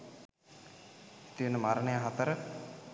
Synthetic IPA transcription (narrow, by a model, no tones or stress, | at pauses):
t̪iənəmaɾənəjaɦat̪əɾə